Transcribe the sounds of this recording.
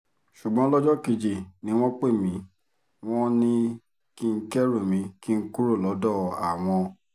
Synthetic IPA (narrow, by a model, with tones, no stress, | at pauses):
ʃu˨ɡ͡bɔ̃˨˦lɔ˦d͡ʒɔ˦ki˧d͡ʒi˨nĩ˨˦w̃ɔ̃˦k͡pe˦˨mĩ˨˦ | w̃ɔ̃˦nĩ˦ | ki˦ŋ̩˦kɛ˦ɾo˦˨mĩ˨˦ki˦ŋ̩˦ku˦ɾo˦˨lɔ˨˦dɔ˦˨a̰˨w̃ɔ̃˧